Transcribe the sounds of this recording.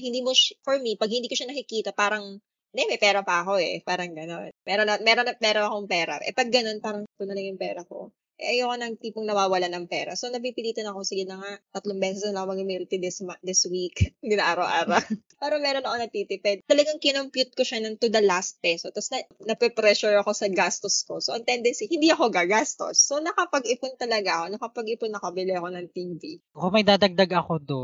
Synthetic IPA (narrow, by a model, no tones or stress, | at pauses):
hɪnd̪iːmofɔɹmipɐɡhɪnd̪iːkoʃanɐkɪkiːt̪ɐpaːɾɐŋ | d̪ɛmɐjpɛːɾɐpɐɐko̞ʔɛ̰paːɾɐŋɡɐno̞nmɛːɾonɐmɛːɾonɐpɛːɾɐɐkoŋpɛːɾɐ̰ʔɛ̰pɐɡːɐno̞npaːɾɐŋt̪ʊnɐlɐŋjʊŋpɛːɾɐko̞̰ | ʔɛʔɐjokonɐŋ̚t̪iːpoŋnɐwaːwɐlanɐŋpɛːɾɐ̰so̞nɐp̬iːpɪliːt̪ɐnɐko̞sɪɡɪnɐŋaʔt̪ɐt̪loŋbɛːsɛsnɐlɐŋkmɐɡɪmilt̪ɪd̪ɪsmad̪ɪswiknɪnɐʔaːɾɐwʔa̰ːɾawpaːɾɐmɛːɾonɐʔonɐt̪iːt̪ɪpɛd̪̚t̪ɐlɐɡaŋkɪnompjut̪̚koʃanɐnt̪ud̪ɐlast̪̚pɛsot̪ɐsnɐnɐpɛpɾɛʃuɹɐko̞sɐɡast̪osko̞soʔɐnt̪ɛnd̪ɛnsihɪnd̪iʔɐko̞ɡaɡast̪o̞̰sːonɐkɐpɐɡɪpʊnt̪ɐlɐɡaɐko̞nɐkɐpɐɡɪpʊnːɐkɐbɪlɪɐko̞nɐŋt̪ivikomɐjd̪aːd̪ɐɡ̚d̪aɡɐkod̪o